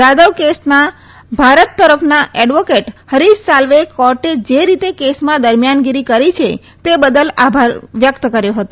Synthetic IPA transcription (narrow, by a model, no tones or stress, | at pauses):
d̪ad̪əʋkesna | bʱaɾət̪ːəɾəpʰnaʔɛɖʋokeʈhəɾissalʋekɔɾʈed͡ʒeɾit̪ekesmãd̪əɾmjanɡiɾikəɾit͡ʃʰe | t̪ebəd̪əlabʱaɾʋjəkt̪kəɾjoɦət̪o